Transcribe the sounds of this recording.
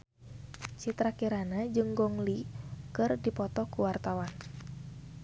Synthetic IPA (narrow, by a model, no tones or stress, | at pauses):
t͡ʃit̪ɾakiɾanad͡ʒɨŋɡɔŋlikɨrdipɔt̪ɔkuwart̪awan